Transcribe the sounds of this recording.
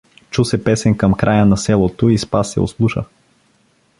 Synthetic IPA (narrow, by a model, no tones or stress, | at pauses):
t͡ʃusɛpɛsɛnkɐmkɾʔajənɐsɛlˠot̪oispasːɛ̰o̰slˠuʃə̰